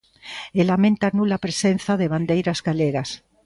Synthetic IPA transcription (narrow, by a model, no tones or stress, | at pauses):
elamẽnt̪anulapɾesen̟θaðeβ̞and̪ejɾazɣaleɣas